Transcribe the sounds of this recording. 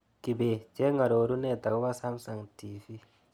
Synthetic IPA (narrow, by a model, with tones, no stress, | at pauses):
ki˨be˨d͡ʒe˦ŋa˨ɾo˨˦ɾu˦nɛ˦˨t̪a˨ku˦βa˦sa˦m˦sa˨ŋtiː˨fi˦